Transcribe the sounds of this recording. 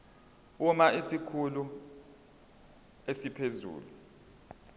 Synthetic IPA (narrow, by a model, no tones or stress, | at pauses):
umaesikʰulu | esipʰezṵːlu